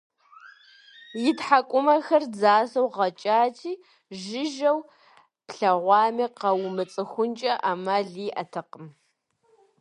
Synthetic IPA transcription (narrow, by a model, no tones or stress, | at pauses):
jɪtħakʷʼʊmɐxɐrd͡zaːsɐwʁɐt͡ʃʼaːtʰiː | ʒɪʒɐw | pɬɐʁʷɑːmiːqɐwʊmɨt͡sʼɨxʷʊnt͡ʃʼɐʔamaːɮiːʔɐtʰɐqəm